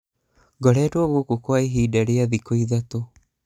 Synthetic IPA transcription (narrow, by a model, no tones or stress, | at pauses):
ɡɔɾɛːtoaɣwokokoaiɦiːdaɾeaðikoiðat̪o